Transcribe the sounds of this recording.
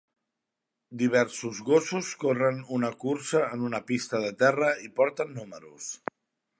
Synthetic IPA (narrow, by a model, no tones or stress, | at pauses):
d̪iβ̞ɛɾsuzɣosuskorənunəkursəːnunəpist̪əðət̪ɛrəipɔɾt̪ənːuməɾṵs